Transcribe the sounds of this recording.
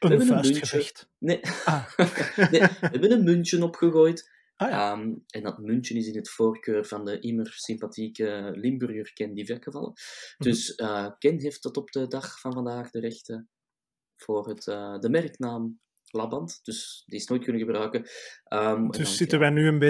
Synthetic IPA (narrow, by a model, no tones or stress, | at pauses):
ɛɛbənənmʏnət | ne | neɛbənənmʏntənɔpxəɣoːjtː | əːmɛndɑtmʏntjənɪsɪnɦətfoːrkøːrvɑndəʔɪmərsɪmpatʰiːkəlɪmbyrjyːrkɛndivɛrxəvɑ̰lə̰d̥ʏsəːkɛnɦeːft̚dɑtɔbdədɑxfɑnvɑndaːxdəɾɛxtə | v̥oːrɦətədəmɛrknaːm | lɑbɑntd̥ʏsdiɪsnoːjt̚kʏnəɣəbrœːkəəmɛdsɪtəʋɛjnyənbe